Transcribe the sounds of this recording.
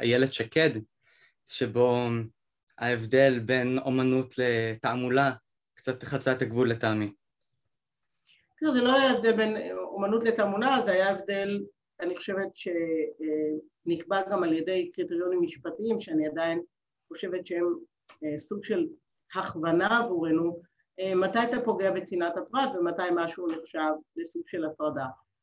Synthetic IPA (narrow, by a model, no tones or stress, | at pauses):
a̰jeledʃaked | ʃebo̞ | a̰evde̞lbe̞no̞̰manut̪ʰletaamula | kt͡sat̪eχat͡saet̪aɡvulːetami | kiazelo̞ajaevd̪elbe̞nomanutle̞tamulazeajaevde̞l | aniχo̥ʃevetʃe̞ | nikbaɡamaljede̞jkʁiteʁjo̞nimːiʃpatiimʃeaniadain | χo̞ʃe̞vetʃeem | suɡʃe̞l | haχvanaːvuʁe̞nu | ematajtapo̞ɡe̞abet͡sinathafʁatvematajmaʃuneχʃavle̞suɡʃe̞lafʁada